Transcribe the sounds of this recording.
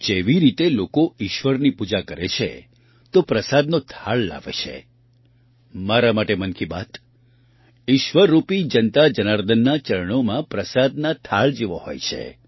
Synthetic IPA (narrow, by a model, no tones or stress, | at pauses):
d͡ʒeʋiɾit̪elokoiʃʋəɾnipud͡ʒakəɾet͡ʃʰḛ | t̪opɾəsad̪not̪ʰaɭla̰ʋḛt͡ʃʰḛ | maɾamaʈemənkiba̰t̪ | iʃʋəɾːupid͡ʒənt̪ad͡ʒənaɾd̪ənːat͡ʃəɾəɳomãpɾəsad̪nat̪ʰaɭd͡ʒeʋo̰ɦo̰jt͡ʃʰḛ